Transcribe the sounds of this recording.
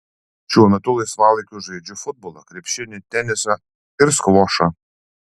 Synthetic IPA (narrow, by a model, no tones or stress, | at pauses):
t͡ʃʲuːnʲɐt̪ʊlˠɐsʋɑːlˠɐkʲuʒɐɪd͡ʒʲʊfʊd̪̚bɔlˠɐkɾʲɛpʲʃʲɪnʲɪt̪ʲɛnʲɪsɐ | ɪɾskʋɔʃɐ